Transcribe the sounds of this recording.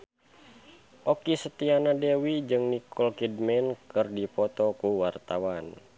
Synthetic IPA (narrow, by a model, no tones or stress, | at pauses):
ʔɔkisət̪ianadewid͡ʒɨŋnikʰɔlkidmɛnkɨrdipɔt̪ɔkuwart̪awan